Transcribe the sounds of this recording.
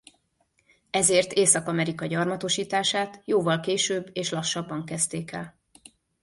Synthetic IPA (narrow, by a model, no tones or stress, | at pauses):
ɛzeːrt̪eːsɒkɒmɛɾikɒɟɒrmɒt̪o̞ʃiːt̪aːʃaːt̪joːvɒlkeːʃøːbːeːʃlɒʃːɒbːɒŋkɛst̪eːkɛ̰l